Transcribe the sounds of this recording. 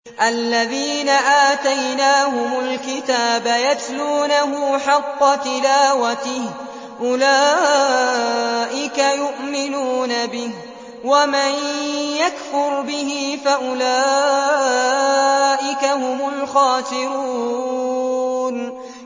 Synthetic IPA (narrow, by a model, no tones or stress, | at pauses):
ʔalːaðiːnaʔaːt̪ajnaːhʊmʊlkɪt̪aːbajat̪luːnaɦʊːħɑqːɑt̪ɪlaːwat̪ɪh | ʔʊlaː | ʔɪkajʊʔmɪnuːnabɪh | wamanjakfʊɾbɪhɪfaʔʊlaː | ʔɪkahʊmʊlxɑːt̪ɪɾuː | n